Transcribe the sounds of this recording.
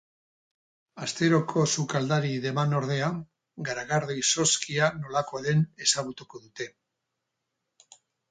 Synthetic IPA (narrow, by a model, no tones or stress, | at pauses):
ast̪e̞ɾokʰo̞sukald̪aɾiðe̞mano̞ɾð̞e̞a | ɡaɾaɣaɾðejso̞skʰiano̞lakoaðe̞ne̞saɣut̪uko̞ðut̪e̞